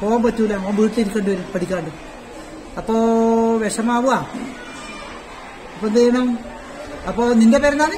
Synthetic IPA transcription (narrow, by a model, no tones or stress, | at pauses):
poːɣaːmpɐtːuːlːɐːmʋiːʈːiliɾikʲːeːɳɖɨʋɐɾupɐʈʰikʲːaːɳɖɨ | ɐpːoːʋeʂɐmaːʋuaː | ɐpːond̪ɐjɐɳɐm | ɐpːoːnindepeɾnaːnɨ